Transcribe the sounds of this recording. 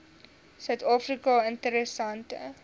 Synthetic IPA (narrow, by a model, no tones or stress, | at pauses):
sœɥtɑːfrikɔəntəɾəsantə̰